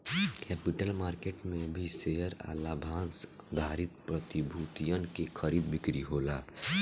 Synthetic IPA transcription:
kɛːpɪʈəlmaːɾkeːʈmẽbʱisejəɾa̰ːlaːbʱãːnsd̪ʱaːɾɪt̪̚pɾət̪ibʱuːt̪ijənkekʰəɾiːd̪bɪkɾiɦoːlaː

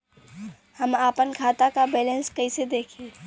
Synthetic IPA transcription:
həmaːpənkʰaːt̪akabeːlenskəɪsed̪eːkʰi

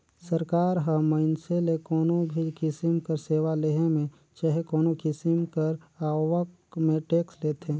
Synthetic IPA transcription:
səɾkaːɾɦəməɪnselekɔːnobʱikɪsɪmkəɾseːwaleɦẽmẽ | t͡ʃaɦekɔːnokɪsimkəɾaːwək | mẽʈeːksleːt̪ẽ

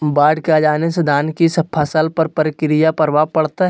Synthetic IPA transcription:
baːɖkead͡ʒaːnesed̪ʱaːnkisɐpʰːasəlpɐɾpəɾɪkɾɪjapɐɾʋapɐɽt̪aɦ

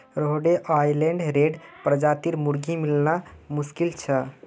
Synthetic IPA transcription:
ɾoɦoɖeʔajleɳɖɾeɖpɾəd͡ʒat̪iɾmuɾɡʱimilnamuskilt͡ʃʰə

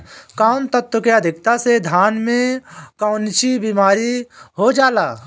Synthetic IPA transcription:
kaʊnt̪ət̪wəkeəd̪ʱɪk̚t̪ased̪ʱaːnmẽkaʊnt͡ʃibiːmaːɾiɦod͡ʒaːlaː

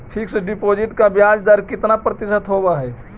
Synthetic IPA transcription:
ʈʰikseɖipod͡ʒiʈkabjad͡ʒd̪aɾkɪt̪napɾət̪ɪsət̪ɦobaɦɛː

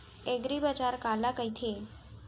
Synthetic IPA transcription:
eɡɾibəd͡ʒaɾkalakəjt̪ʰie

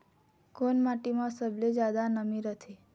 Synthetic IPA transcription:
konmaʈimãsəbled͡ʒad̪anəmiɾət̪ʰe

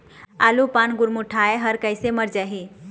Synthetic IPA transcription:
aːlupaːnɡʊɾmʊʈʰaeɦɐɾkəɪsemɐɾd͡ʒaɦi

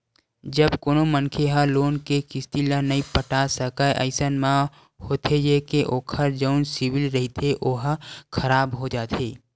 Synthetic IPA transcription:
d͡ʒəbkoːnomənkʰeɦə̃loːnkekɪst̪ilənɐĩpəʈasəkəʔə̰ɪsənmã | hoːt̪ʰejekeʔoːkʰəɾd͡ʒəʊnsɪwɪlɾəɦit̪ʰeʔoːɦkʰəɾaːbɦod͡ʒaːt̪ʰeː

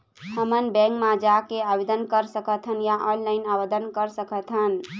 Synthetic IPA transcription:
həmənbɛ̃ŋkmad͡ʒakeabed̪ənkəɾsəkət̪ʰənjaʔənlaɪnabəd̪ənkəɾsəkət̪ʰɦən

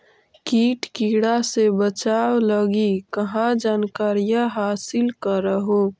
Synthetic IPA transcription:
kiːʈkiːɽasebət͡ʃaːwləɡikəɦãd͡ʒaːnkaːɾijaɦaːsɪlkəɾəɦo

